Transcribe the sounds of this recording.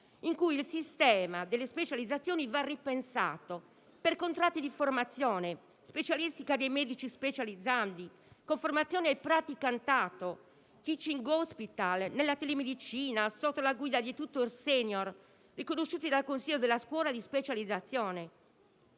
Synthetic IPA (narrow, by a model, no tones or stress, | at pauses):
iŋkujilsist̪ɛːmad̪ɛlːespet͡ʃalid̪zːat̪sːjɔːnivarːipɛnsa̰ːt̪o | pɛɾkont̪ɾat̪ːid̪iformat̪sːjɔːnɛ | spet͡ʃalist̪ikad̪ejmeːd̪it͡ʃispet͡ʃalid̪zːand̪i | koɱfɔɾmat̪sːjɔːnɛɛpɾat̪ikant̪aːt̪o | k̪it͡ʃiŋɡɔspit̪alnɛlːat̪ɛlemed̪it͡ʃiːnasɔt̪ːolaɡwiːd̪ad̪it̪ut̪ːoɾsɛnɔɾ | rikonoʃːuːt̪id̪alkonsiʎːod̪ɛlːaskwɔːlad̪ispet͡ʃalid̪zːat̪sːjɔːnɛ